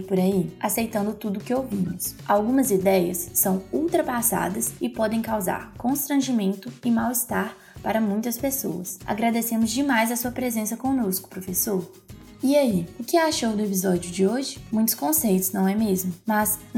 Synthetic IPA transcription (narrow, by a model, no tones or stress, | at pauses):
pʊɾaiasejt̪ɐ̃nd̪ʊt̪ud̪ʊkɪowvĩmʊsawɡũmɐzid̪ɛjɐsːɐ̃w̃uwt̪ɾɐpasa̰d̪ɐsɪpɔd̪ẽj̃kawza̰ɾkõst̪ɾɐ̃ʒimẽnt̪ʊɪmawist̪aɾ | paɾɐmũj̃t̪ɐspeso̰wɐ̰sa̰ɡɾad̪esẽmʊzd͡ʒɪmajzɐsuɐpɾezẽsɐkõnoskʊ̥pɾofesoɾ | iaiʊkɪaʃowd̪ʊepizɔd͡ʒjʊd͡ʒɪoʒɪmũj̃t̪ʊ̥skõsejt̪ʊznɐ̃w̃ɛmezmʊmɐz